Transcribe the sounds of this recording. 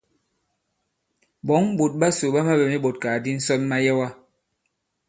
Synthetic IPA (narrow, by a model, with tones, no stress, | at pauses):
bɔ˨˦ŋbu˨t̚ɓa˦so˨ɓa˦ma˦bɛ˨mi˦ɓo˨t̚kaː˨di˦n̩˦sɔ˦nma˦jɛ˦wa˦